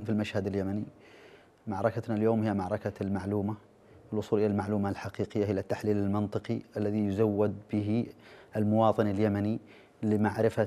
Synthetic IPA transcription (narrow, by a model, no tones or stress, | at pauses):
filmaʃhad̪ɪljamani | maʕɾˤɑkanaljoːmhɪjːamaʕɾˤɑkalmaʕluːma | ɪlwʔʊsˤuːlʔɪlalmaʕluːmalħaqiːqɪjːahɪjat̪ːaħliːlɪlmɪnt̪ˤɨqiʔalːaðijʊzawːɪd̪bɪɦiʔɪlmʊwɑːt̪ˤɨnɪljamani | lɪmaʕɾɪfa